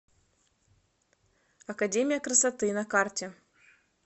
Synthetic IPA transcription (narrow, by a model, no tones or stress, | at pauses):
ɐkɐdʲemʲɪjəkɾəsɐt̪ɨnɐkartʲɪ